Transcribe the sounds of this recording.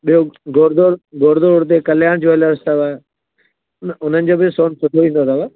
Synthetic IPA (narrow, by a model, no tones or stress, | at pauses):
ɓijoɡoːɾd̪oːɾɡoːɾd̪oːɾʊɽt̪̬ekɐljaːɽ̃d͡ʑoːɐləɾst̪aʋaːe | nʊnənɪ̆d͡ʑoːbʱɪsoːnsʊʈʰoʋĩnd̪ot̪ɐʋa